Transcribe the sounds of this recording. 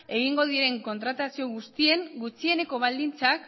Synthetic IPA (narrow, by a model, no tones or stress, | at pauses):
e̞ɣ̞iŋɡo̞ð̞ieɾe̞ŋko̞nt̪ɾat̪asio̞ɣust̪ie̞ŋɡut͡sie̞ne̞ko̞β̞ald̪int͡sak